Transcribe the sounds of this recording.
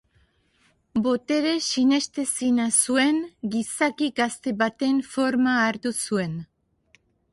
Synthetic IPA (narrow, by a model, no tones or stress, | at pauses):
bo̞t̪e̞ɾe̞sine̞st̪e̞sinasue̞ŋɡisakiɡast̪e̞βat̪e̞ɱfo̞ɾmaːɾt̪usue̞n